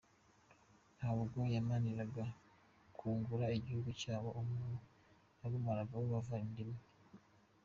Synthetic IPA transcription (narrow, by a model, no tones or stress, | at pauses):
nhaβoɡojamaniɾaɡa | kʰuːŋɡuɾaeɟihuɡucaːβoʔomuːnu | naβumaɾaɡawoβavaindimi